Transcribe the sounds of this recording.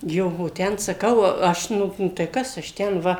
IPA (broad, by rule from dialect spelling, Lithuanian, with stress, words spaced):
ˈjoː oː ˈtʲɛn sɐˈkɐʊ ˈɐʃ ˈnʊ tɐɪ ˈkɐs ɐʃ ˈtʲɛn ˈʋɐ